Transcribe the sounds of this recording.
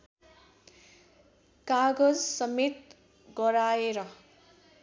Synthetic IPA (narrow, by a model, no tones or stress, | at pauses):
kaɡʌd͡zsʌmet̪ | ɡʌɾaeɾʌ